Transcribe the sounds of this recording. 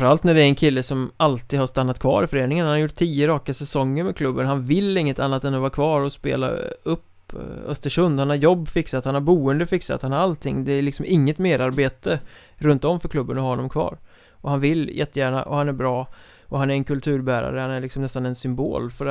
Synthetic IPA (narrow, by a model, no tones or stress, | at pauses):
fəɾalt̪næɖɛɾɛnkʰɪlːəsɔmalt̪iːd̪haʂt̪anːat̪̚kʰvɑ̰ːɾɪfœɾeːnɪŋənhanhaɾjʊʈ̚t̪ʰiːjəɾɑːkasɛsɔŋːəɾmɛkʰlɵbːənɦanvɪlːɪŋːət̪anːat̪ɛnːɔvaːkʰvɑːɾɔspḛːla̰ɵpː | œ̰st̪əʂɵnd̪hanhaɾjɔbːfɪksat̪hanhaɾbuːənd̪əfɪksa̰t̪hanhaɾalt̪ʰɪŋːd̪ɛːlɪksɔmɪŋːət̪meːd̪aɾbeːt̪ə | ɾɵnt̪ɔmfœɾkʰlɵbːənɔhaɔnːɔmkʰvɑ̰ːɾ | ʔɔhanvɪljʔɛt̪ːəjæːɳa̰ʔɔhanæɾbɾɑː | ʔɔɦanæɾɛnkʰɵlt̪ʰʉ̟ːɾbæːɾa̰ɾəhanæɾɭɪksɔmnɛst̪anɛnsʏmbo̰ːlfœɾ